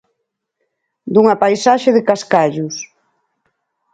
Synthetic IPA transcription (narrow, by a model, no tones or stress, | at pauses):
d̪uŋapajsaʃɪðɪkaskaʎʊs